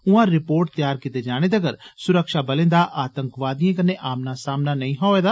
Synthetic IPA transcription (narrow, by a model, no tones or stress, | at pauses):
ʊãːɾɪpoːɾʈ̚t̪jaːɾkɪt̪eːd͡ʒaːɽ̃eːd̪əɡəɾsʊɾəkʃaːbəlẽːd̪aːʔaːt̪əŋkʋaːd̪ijãːkənːeːʔaːmnaːsaːmnaːnəĩːɦaːeːd̪aː